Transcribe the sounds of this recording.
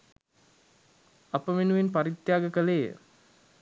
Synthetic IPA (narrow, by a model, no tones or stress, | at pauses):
apəʋenuʋenpaɾit̪jaːɡəkəleːə̰